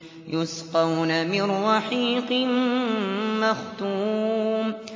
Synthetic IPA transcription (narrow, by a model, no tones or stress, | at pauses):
jʊsqɑwnamɪnːɑħiːqɨmː | axt̪uːm